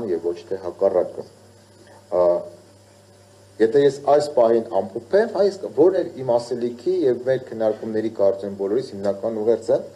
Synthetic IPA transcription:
njɛvːɔt͡ʃʰt̪ʰɛɦɑkɑrɑkə̰ | jɛt̪ʰɛjɛsɑjspɑɦinɑmpʰɔpʰɛmhɑjɛsvɔɾnɛɾimɑsɛlikʰijɛvmɛɾkʰənːɑɾkumnɛɾikɑɾt͡sɛmbɔlɔɾishimnɑkɑnuʁɛɾt͡sʰə

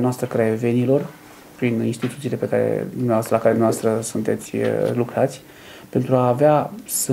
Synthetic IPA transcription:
noast̪ɾəkɾaeve̞nilo̞r | pɾininst̪it̪ut̪sile̞pe̞kaɾḛd̪umneaoast̪əlakaɾed̪mnʲeavast̪ɾəsunt̪e̞t̪sʲlukɾat̪sʲ | pe̞nt̪ɾuaːveasɨ

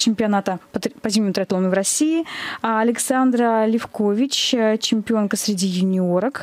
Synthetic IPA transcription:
t͡ɕɪmʲpʲɪɐnat̪əpət̪pɐzʲimʲmʊt̪ɾaɐt̪lˠonəvɾɐsʲiɪɐlʲɪksand̪ɾəlʲɪfko̞vʲɪt͡ɕt͡ɕɪmʲpʲɪo̞nkəsʲɾʲɪdʲijʊnʲɪoɾək

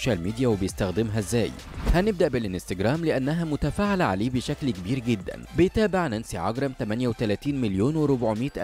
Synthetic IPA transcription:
ʃælmiːd̪ijæwebɪjɪst̪æxd̪ɪmɦæzːæːj | hænɪb̚d̪aʔbɪlʔɪnst̪ɑɡɾˤæːmlɪʔænːæɦæmʊt̪æfaːʕalaʕa̰leːbɪʃæklkebiːɾɡɪd̪ːæ̰nbɪjt̪æːbɪʕnʔænsiʕɑɡɾˤɑmt̪æmænjæwet̪ælæːt̪iːnmɪljoːnwɪɾʊbʕmiːt̪ʔ

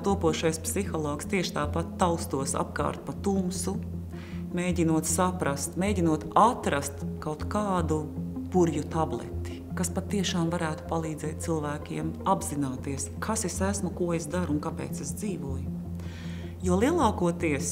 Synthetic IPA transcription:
t̪uɔpuɔʃajspsixɔlˠɔːkst̪iɛʃt̪aːpat̪ːaʊst̪uɔsa̰pka̰ːɾt̪̚pat̪umsu | meːɟinuɔt̪sapɾast̪meːjɟinuɔt̪at̪ɾast̪kawt̪kaːd̪upuɾjut̪ablˠɛ̰t̪i̥kaspat̪ːiɛʃaːmvaɾæːt̪u̥palˠiːd̪zɛːt̪̚silˠvæːkiɛmabzinaːt̪iəskʰasesæsmukuɔesd̪aɾunkapɛ̰ːt̪sesd̪ziːvuɔj | juɔlˠiɛlˠɑːkuɔt̪iɛs

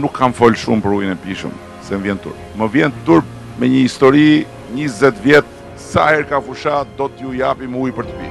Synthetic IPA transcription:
nukʰːamfɔlʃumpəɾujənɛpiʃə̰m | sɛməvjɛnt̪ṵɾp̚məvjɛnt̪uɾp̚ | mɛɲəist̪ɔɾi | ɲizɛt̪vjɛt̪̚ | sa̰hɛɾkafuʃat̪̚d̪ɔt̪jujapimujpəɾt̪əpi

